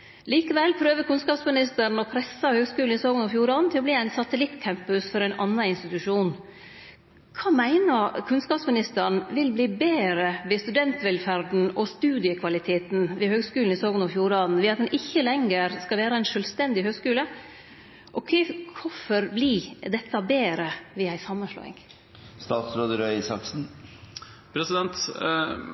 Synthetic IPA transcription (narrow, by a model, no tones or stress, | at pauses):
liːkəʋɛlːpʰɾøːʋəɾkʰʉnskɑːpsmɪnɪst̪əɾɳ̩ɔpʰɾɛsːɑhøːɡskʉːln̩ɪsoːɡnɔfjuːɾɑːd̪n̩t̪ʰɪlɔb̪liːæɪnsɑt̪əlɪt̪ːkʰæmpʉsfɔɾæɪnʔɑ̰nːɑɪnst̪ɪt̪ʉʂuːn | kʰɑːmæɪnɑkʰʉnskɑːpsmɪnɪst̪əɾɳ̩ʋɪlbliːbeːɾəʋɪst̪ʉd̪ɛnt̪ʋɛlfæɾd̪n̩ʔɔst̪ʉːd̪ɪəkʰʋɑlɪt̪ʰeːt̪nʋɪhøːɡskʉːln̩ɪsoːɡnɔfjuːɾɑːd̪n̩ʋɪɑt̪̚d̪ɛnʔɪçːəlɛŋːəɾskɑlʋæːɾəæɪnʂœlst̪ɛnd̪ɪhøːɡskʉːlə | ʔɔkʰɛɪkʰʊfɔɾblid̪ɛt̪ʰːɑbeːɾəʋɪæɪsɑmːənʂɭo̰ːɪ̰ŋ | st̪ɑːt̪sɾoːd̪əɾœɪsɑksn̩ | pʰɾɛsɪd̪ɛnt̪